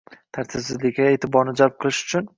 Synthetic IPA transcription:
t̪ʰaɾt̪ʰɪbsɪzlɪkʲaeːt̪ʰɪbɒɾnɪd͡ʒalˠp̚qʰɨlˠɪʃʊ̥t͡ʃʰʊn

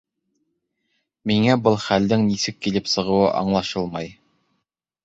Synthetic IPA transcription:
miŋæbɤlˠχæld̪ɘŋnisɘkːilɘpsɤ̆ʁɤ̆wɤʔɑ̰ɴlˠɑʃɤlˠmɑj

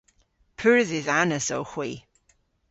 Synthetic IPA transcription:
pʰʉɹɪðɪzanəsowxw̥iː

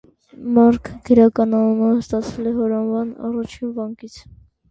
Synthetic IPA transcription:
mɑɾkʰɡəɾɑkɑnɑnɔnɑəst̪ɑt͡sʰɛlɛɦɔɾɑnvɑnɑ̰rɑt͡ʃʰinvɑŋkit͡sʰ

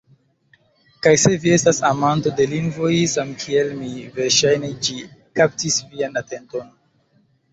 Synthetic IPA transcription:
kajse̞vie̞stasamanto̞de̞liŋɡvo̞jsamkʰie̞lmive̞ɾʃajne̞d͡ʒikap̚tisvianate̞nto̞n

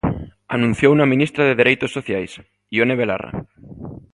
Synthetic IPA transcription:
anũn̟θjounamĩnist̪ɾaðeðeɾejt̪osːoθjajs | ioneβ̞ela̰ra̰

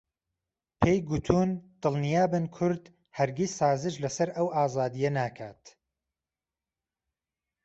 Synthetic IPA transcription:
pʰejɡut̪ʰuːnd̪̥ɨlˠnijaːbɨnkʰʊɾd̪ | hɐɾɡʲisːaːzɨʃlɐsɐɾʔɐwʔaːzaːd̪ijɐnaːkʰaːt̪

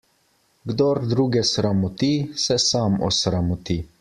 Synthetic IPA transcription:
ɡd̪ɔɾd̪ɾuːɡɛsɾamɔt̪isɛsaːmɔ̰sɾamɔt̪i

